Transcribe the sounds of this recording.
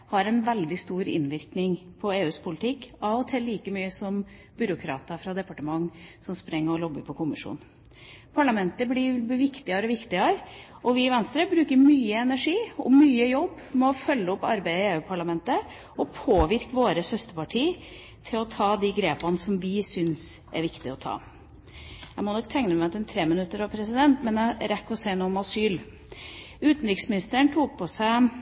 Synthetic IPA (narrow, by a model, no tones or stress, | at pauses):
hɑɾɛnʋɛld̪ɪst̪uːɾɪ̰nʋɪɾknɪŋpʰɔeːʉːspʰʊlt̪ʰɪkːɑʋɔt̪ʰɛlːiːkəmyːəsɔm | bʏɾʊkʰɾɑ̰ːt̪əfɾɑd̪ɛpɑʈəmɑŋːsɔmspɾɛŋːəɾɔlɔbːəɾpʰɔkʰʊmɪʂṵːn | pʰɑɭɑmɛnt̪əblɪʋɪkt̪ɪɑɾɔʋɪkt̪ɪɑɾʔɔʋɪɪʋɛnst̪ɾəbɾʉːkəɾmyːəɛnæʂiːɔ̰myːəjɔbːmɔfœlːəɔpːɑɾbæɪəɪeːʉːpʰɑɭɑmɛnt̪ə | ɔpʰoːʋɪɾkʋoːɾəsœst̪əpʰɑʈʰiː | t̪ʰɪlɔt̪ʰɑːd̪iɡɾeːpɑnsɔmʋɪsʏnsʔæ̰ɾʋɪkt̪ɪ̰ɔt̪ʰɑ̰ː | æɪmɔnɔkːt̪ʰɛŋnəmɛt̪ɛnt̪ʰɾeːmɪnʉt̪ːəɾɑʋpʰɾɛsɪd̪ɛnt̪mɛnæɾɛkːɔseːnuːɔmɑsyːl | ʉːt̪n̩ɾɪksmɪnɪst̪əəɳʈ̪ʰuːk̚pʰɔsæɪ